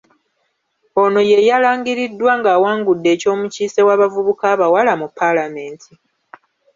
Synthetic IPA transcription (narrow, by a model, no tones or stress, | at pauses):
o̞no̞je̞jalaːŋɡiɾidːwaŋɡaːwaːŋɡudːe̞ːco̞ːmuciːse̞waːβavuβukaːβawalamupːalame̞ːntʰi